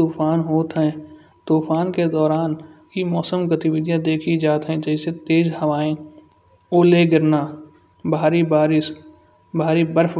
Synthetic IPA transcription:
uːfaːnɦoːt̪ɦɛ̃ | t̪uːfaːnked̪ɔːɾaːnjimɔːsəmɡɐt̪ɪʋɪd̪ʱjãd̪eːkʰid͡ʒaːt̪ɦɛ̃d͡ʒɛːset̪eːzɦɐʋaːẽ | oːleɡɪɾna | bʱaːɾibaːɾɪs | bʱaːɾibəɾf

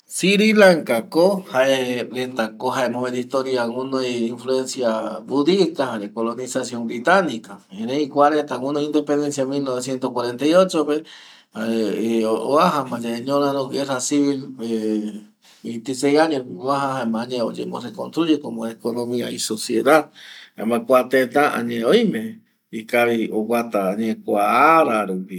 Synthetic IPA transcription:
siɾilaŋkakohaeɾent̪akoɦaemoβed̪ist̪oɾjaŋunoeiɱfluensjabuðikahaɾekolonisasjombɾit̪anikaeneikwaɾent̪aŋũnoind̪epend̪ensjamilnoβesjent̪ohkwaɾent̪aiot͡ʃoβe | haeoaɦamãd͡ʒaeɲõɾãɾõɡerasiβile | it̪esejaɲeoaɦaɦaemãɲẽo̰d͡ʒḛmorekonst̪ɾud͡ʒekomõekonõmĩaisosjeðaðḛmãkʷat̪et̪aã̰ɲẽojmẽ | ikaβiowat̪aːɲekʷaaɾaɾupi

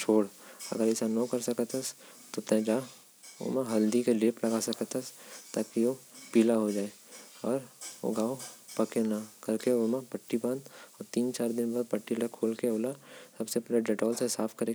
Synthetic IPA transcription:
t͡ʃʰoːɽɐ̰ɡəɾɪsanokɐɾsɐkət̪ɐst̪ot̪ɛ̃d͡ʒaː | o̰mãɦɐld̪ikeleːplɐɡasɐkət̪ɐst̪aːkiʋopiːlaɦod͡ʒaːe | ɔːɾo̰ɡaːopɐkenakɐɾkeomãpɐʈːibãːnd̪ɔːɾt̪iːnt͡ʃaːɾd̪ɪnbaːd̪̚pɐʈːiləkʰoːlkeoːlasɐbsepɛːled͡ʒɛʈɔːlsesaːpʰkɐɾe

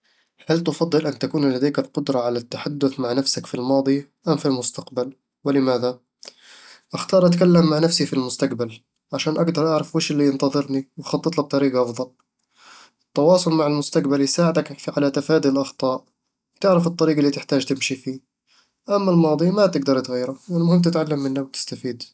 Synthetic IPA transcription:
halt̪ʊfɑd̪ˤːɨlʔant̪akuːnlad̪aːjkɪlqʊd̪ɾˤɑʕalat̪ːaħad̪ːʊθmaʕnafsakfilmɑːd̪ˤiʔamfilmʊst̪aqbal | wɪlɪmaːða | ʔɪxt̪ɑːɾˤʔat̪kalːamːaʕnafsifilmʊst̪aqbal | ʕaʃaːnʔaɡd̪ɑɾˤʔɑʕɾˤɑfweːʃɪlːijɪnt̪ɑðˤɨɾniwxɑt̪ˤːɨt̪ˤlɑb̚t̪ˤɑɾiːɡɑʔɑfðˤɑl | ʔɪt̪ːɑwɑːsˤʊlmaʕɪlmʊst̪aqbaljsaːʕɪd̪akfʕalat̪afaːd̪ilʔɑxt̪ˤɑːʔ | wt̪ɪʕɾɑfɨt̪ˤːɑɾiːɡalːiːt̪ɪħt̪aːd͡ʒt̪ɪmʃifiː | ʔamːalmɑːd̪ˤimat̪ɪɡd̪ɑɾˤt̪ɣiːɾalɪʔanːmʊhɪmt̪ɪt̪ʕalːamːɪnːawt̪ɪ̥st̪afiːd̪

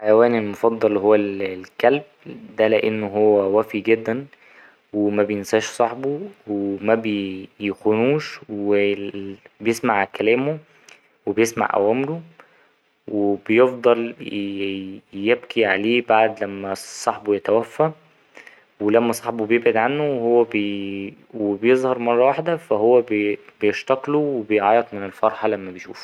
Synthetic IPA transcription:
ħajæwæːnelmofɑd̪ˤːɑlɦowːællkælb̚ | d̪æleʔenːoɦowːæwæfiɡed̪ːæn | wemæbejensæːʃsˤɑħbowemæbjexonuːʃwe | bejesmaʕkælæːmo | webejesma̰ʕʔæ̰wæːmelo | webejefd̪ˤɑl | jeb̚kʰiʕaleːbaʕd̪læmːæsˤːɑħbojet̪æwæfːæ | welæmːæsˤɑħbobejebʕed̪ʕanːowhowːæb | webjezˤhɑɾˤmɑrˤːɑwaħd̪æfæɦowːæbbejeʃt̪æqluwebejʕɑːjet̪ˤmenelfɑɾˤħɑlæmːæbejʃṵːf

